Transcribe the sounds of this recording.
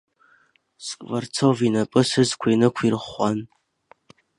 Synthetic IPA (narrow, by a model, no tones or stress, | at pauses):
skʼvart͡sʰovinapʼɨsɨzkʷʰainɨkʷʰirχʷan